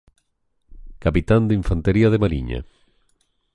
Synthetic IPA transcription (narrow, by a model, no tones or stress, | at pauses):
kapit̪and̪iɱfant̪eɾiaðemaɾiɲa̰